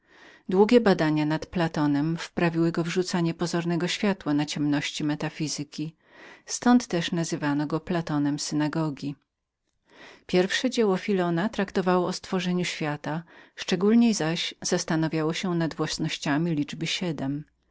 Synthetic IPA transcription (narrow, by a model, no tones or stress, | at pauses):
d̪wuɡʲɛbad̪aɲanat̪plat̪ɔnɛmfpɾavʲiwɘɡɔvʐut̪saɲɛpɔzɔɾnɛɡɔɕfʲjat̪wanat͡ɕɛmnɔɕt͡ɕimɛt̪afʲizɘkʲi | st̪ɔnt̪ːɛʂnazɘvanɔɡɔplat̪ɔnɛmsɘnaɡɔɡʲi | pʲjɛɾfʂɛd͡ʑɛwɔfʲilɔnat̪ɾakt̪ɔvawɔːst̪fɔʐɛɲuɕfʲjat̪aʂt͡ʂɛɡulɲejzaɕz̥ast̪anɔvʲjawɔɕɛnad̪vwasnɔɕt͡ɕamʲilʲid͡ʐbɘɕɛd̪ɛm